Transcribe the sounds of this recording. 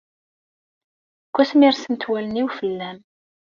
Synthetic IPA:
kʷːæsmiɾsənt̪wæləniwfəlːæm

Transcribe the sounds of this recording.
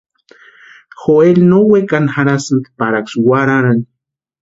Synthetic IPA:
xoelnowekanxaɾasɨnk̪paɾakswaɾaɾan

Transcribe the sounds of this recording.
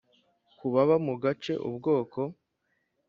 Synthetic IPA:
kuβaβamuɡat͡ʃe̞̰ʔṵbɡo̞ːko̞

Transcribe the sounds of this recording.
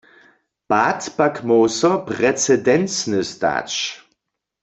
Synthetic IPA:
patpakmɔwsɔpʁɛt͡sɛdɛnt͡snəsta̰ːt͡ʃ

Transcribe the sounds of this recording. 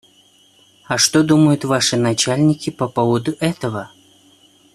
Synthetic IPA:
ɐʂt̪ɔd̪uməjʊt̪vaʂɨnat͡ɕalʲnʲikʲipɐpɔvəd̪ʊʔɛt̪əvɐ

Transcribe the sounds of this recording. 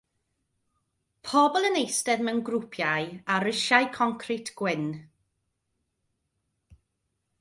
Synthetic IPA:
pʰɔbɔlˠənejstɛðmɛnɡrʊpʰjajaɾɪʃajkʰɔŋkʰrɪtʰɡ̥wɪn

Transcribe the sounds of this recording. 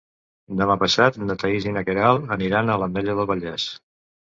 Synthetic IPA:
d̪əmapəsat̪nət̪əizinəkeɾalˠəniɾanələmd̪ɛʎəðəlˠβəʎɛs

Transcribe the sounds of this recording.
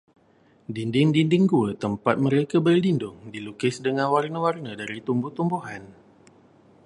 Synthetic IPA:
dindɪŋdindɪŋɡuət̪əmpat̪̚mə̃ɾekabərlindʊŋdilukɪsdəŋãnwarnəwarnədaɾit̪umbʊht̪umbuɦan

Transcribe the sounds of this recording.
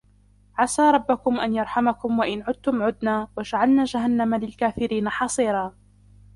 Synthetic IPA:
ʕasaːɾˤɑbːakʊmʔanjɑɾˤħamakʊmwaʔɪnʕʊd̪̚t̪ʊmʕʊd̪naːwad͡ʒaʕalnaːd͡ʒaɦanːamalɪlkaːfɪɾiːnaħɑsˤiːɾaː

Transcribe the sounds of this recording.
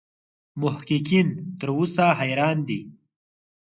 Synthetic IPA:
mʊhkikint̪əɾusaɦajɾɑːnd̪i

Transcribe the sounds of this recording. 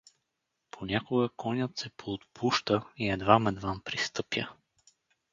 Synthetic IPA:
pʰonʲakʊɡəkɔnʲət̪sɛpʰoːt̪pʰuʃt̪əiɛd̪vamɛd̪vampɾist̪ɤpjə

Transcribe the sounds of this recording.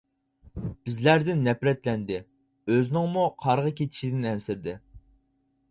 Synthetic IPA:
b̥ɪzlæɾd̪ɪnːɛpɾɛt̪lɛnd̪ɪ | øznɪŋmuqʰɑɾʁəkʲʰet̪ʰi̥ʃid̪ɪnɛnsɪɾd̪ɪ

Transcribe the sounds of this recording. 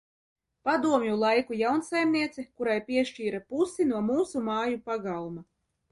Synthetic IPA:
pad̪uɔmjulˠajkujawnsajmniɛt̪sikuɾajpʲiɛʃt͡ʃiːɾapusinuɔmuːsumɑːjupaɡalˠma

